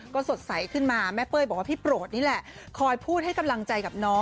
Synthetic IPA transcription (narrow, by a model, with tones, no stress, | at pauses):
kɔː˥˩so˨˩t̪̚sa˨˩˦jkʰɯ˥˩nmaː˧mɛ˦˥pɤː˥˩jbɔː˨˩kwa˥˩pʰiː˥˩pɾoː˨˩t̪̚niː˦˥˩lɛ˨˩ʔ | kʰɔː˧jpʰuː˥˩t̪̚ha˥˩jka˧mla˧ŋt͡ɕa˧jka˨˩p̚nɔː˦˥